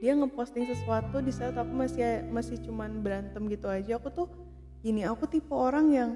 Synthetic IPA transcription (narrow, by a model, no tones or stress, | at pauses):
diaŋəpɔst̪ɪŋsəsuat̪udisaɾt̪apimasimasɪht͡ʃumanbɾant̪əmɡit̪uad͡ʒaakut̪ʊh | iniakut̪ipuoɾaŋjaŋ